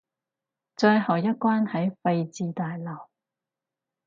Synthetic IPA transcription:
t͡ʃœː˧jɦɐ˨wjɐ˥t̚kʷwaː˥nhɐ˨˥jfɐ˧jt͡siː˧t̪aː˨jlɐ˨˩w

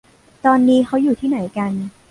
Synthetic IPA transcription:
t̪ɔː˧nːiː˦˥kʰa˦˥wjuː˨˩t̪ʰiː˥˩na˩˦jka˧n

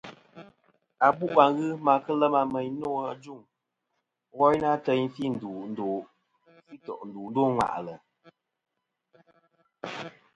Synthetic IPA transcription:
a˨bu˦ʔa˨ŋɣɨ˦ma˨kə˦lɛ˦ma˧mɛ˨ɲno˦˨a˨d͡ʒu˦˨ŋ | ɣɔ˦jna˦tɛ˦ɲ˦fi˦˨n̩˨du˨n̩˦do˨ | fi˦tɔ̰˨ʔn̩˨duː˨n̩˦do˦˨ŋwa̰˨ʔlə˨

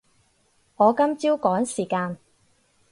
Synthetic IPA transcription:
ŋɔː˨˧kɐ˥mt͡siː˥wkɔː˨˥ŋsiː˨˩kaː˧n

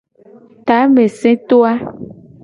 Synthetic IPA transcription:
t̪a˨˦mẽ˨sẽ˦t̪o˦a˦

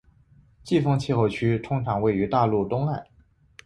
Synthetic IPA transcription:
t͡ɕi˥˩fɤ˥ŋt͡ɕʰi˥˧xo˥˩t͡ɕʰy˥t̪ʰʊ˥ŋʈ͡ʂʰɑ˨˩˥ŋwe˥˩ɪy˧˥t̪a˥˧lu˥˩t̪ʊ˥ŋa˥˩ɪ

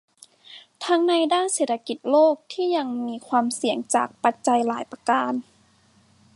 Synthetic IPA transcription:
t̪ʰa˧˥ŋna˧jdaː˥˩nseː˨˩t̪ʰːa˧ki˨˩t̪̚loː˥˩k̚t̪ʰiː˥˩ɲa˧ŋmiː˧kʰwaː˧msi˨˩˦əŋt͡ɕa̰ː˨˩k̚pa˧˦t̪̚t͡ɕa˧jlaː˩˦jpa˧kaː˧n

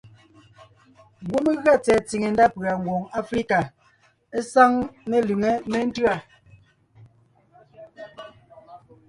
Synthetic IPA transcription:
ɡwu˦me˦ɣɰa˦˨t͡sɛː˨t͡si˨ŋe˨nda˦pɰa˨ŋɡwo˨ŋa˦fɾi˦ka˨ | e˦sa˦ŋne˦lʉ˨ŋe˨me˦n̩˦tɰa˨

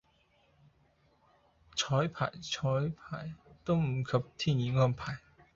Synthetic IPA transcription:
t͡sʰɔː˨˥jpʰa̰ː˨˩jt͡sʰɔː˨˥jpʰaː˨˩jt̪o˥wm̩˨˩kʰɐ˨p̚t̪ʰiː˥njiː˨˧˥ŋɔː˥npʰaː˨˩j

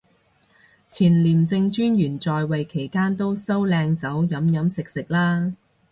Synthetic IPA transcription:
t͡sʰiː˨˩nliː˨˩mt͡sɪ˧ŋt͡ʃyː˥njyː˨˩nt͡sɔː˨jwɐ˨jkʰe˨˩jkaː˥nt̪o˥wsɐ˥wlɛː˧ŋt͡sɐ˨˥wjɐ˨˥mjɐ˨˥msɪ˨k̚sɪ˨k̚laː˥

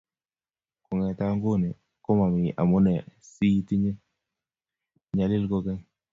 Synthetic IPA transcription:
ko˨ŋɛ˨t̪a˦ŋɡo˦˨ne˨ | ko˦ma˨mi˨ʔa̰˨mo˦nɛ˨si˦t̪i˦ɲe˦ | ɲa˨lɪ˦lko˦kɛ˦

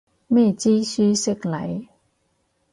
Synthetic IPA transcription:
mɛ˥˨t͡ɕiː˦˥syː˥sɪ˥˩k̚la̰˨˦j

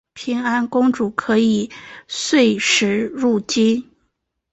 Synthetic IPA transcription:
pʰi˧˥ŋa˥nkʊ˥ŋʈ͡ʂu˨˩kʰɤ˧˥i˨˩swe˥˩ɪʂɻ̩˧˥ɻu˥˩t͡ɕi˥n

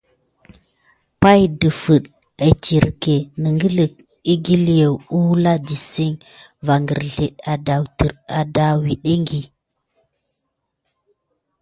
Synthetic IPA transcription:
pa˦jdə˨fə˨ɗ | ə˨t͡ʃi˨ɾke˨nə˨ŋɡə˦lə˨k̚ | i˦ɡi˦lje˨wu˦la˦d͡ʒi˨si˦ŋ | va˨ŋɡə˨ɾɮe˨ɗa˨da˨wtə˨ɾa˨da˨wi˨ɗe˦ŋɡi˨

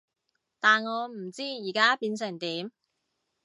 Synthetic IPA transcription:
t̪aː˨nŋɔː˨˧m̩˨˩t͡siː˥jiː˨˩kaː˥piː˧nsɪ˨˩ŋt̪iː˨˥m

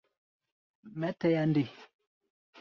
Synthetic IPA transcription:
mɛ˨˦tɛ˦ja˦ndi˨

